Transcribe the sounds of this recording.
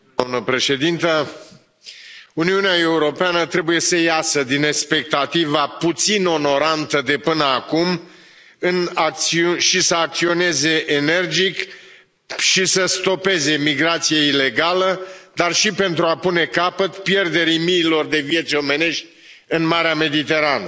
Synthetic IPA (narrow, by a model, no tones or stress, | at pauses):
d̪amnəpɾe̞ʃe̞d̪int̪ə | uniuneae̞uɾo̞peanət̪ɾe̞buje̞səjasəd̪inekspe̞k̚t̪at̪ivaput̪sino̞no̞ɾant̪əd̪e̞pɨnəakum | ɨnak̚t̪siuʃisəakt̪sio̞ne̞ze̞ʔene̞rd͡ʒik | ʃisəst̪o̞pe̞ze̞miɡɾat̪sijeile̞ɡaləd̪arʃipent̪ɾuapune̞kapət̪pje̞rd̪e̞ɾimiːlo̞rd̪e̞vije̞t̪sʲo̞me̞ne̞ʃt̪ʲ | ɨnmaɾeame̞d̪it̪e̞ɾanə